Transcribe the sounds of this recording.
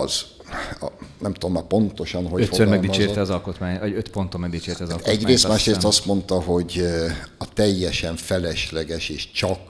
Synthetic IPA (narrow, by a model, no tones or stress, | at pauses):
z̰ | nɛmt̪ud̪omːaːpo̞nt̪o̞ʃɒnɦoøhosøɾmɛɡd̪it͡ʃeːt̪ɛɒzɒlkot̪maːɲɒɟøt̪pont̪olmɛɡd̪it͡ʃeːrt̪ɛzt̪ɛɟreːst̪maːʃɾeːst̪ɒst̪mo̞nt̪ɒɦo̞ɟɒt̪ɛjːɛʃɛɱfɛlɛʃlɛɡɛʃeːʃt͡ʃɒk